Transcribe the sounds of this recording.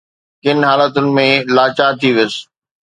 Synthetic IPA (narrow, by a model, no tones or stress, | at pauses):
kɪn̆ɦaːlət̪ʊnɪ̆mẽlaːt͡ɕaːt̪ʰiʋɪs